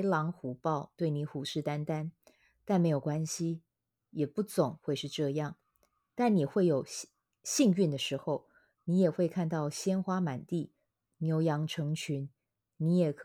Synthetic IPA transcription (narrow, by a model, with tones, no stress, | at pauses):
lɑ˧˥ŋxu˨˧˥pɑ˥˧ʊt̪we˥˩ɪni˧˥xu˨˥ʂɻ̩˥˩t̪a˥nt̪a˥n | t̪a˥˩nme˧˥ɪjo˨˩ʊkwa˥nɕi˥ | jɛ˨˩pu˥˩t͡sʊ˨˩˦ŋxwe˥˧ɪʂɻ̩˥˧ʈ͡ʂɤ˥˧jɑ˥˩ŋ | t̪a˥˩nni˨˩xwe˥˩ɪjo˨˩ʊ | ɕi˥˧ŋy˥˩nd̪ə˩ʂɻ̩˧˥xo˥˧ʊ | ni˧˥jɛ˨˩xwe˥˧ɪkʰa˥˧nt̪ɑ˥˩ʊɕjɛ˥nxwa˥ma˨˩nt̪i˥˩ | njo˧˥ʊjɑ˧˥ŋʈ͡ʂʰɤ˧˥ŋt͡ɕʰy˧˥n | ni˧˥jɛ˨˩kʰ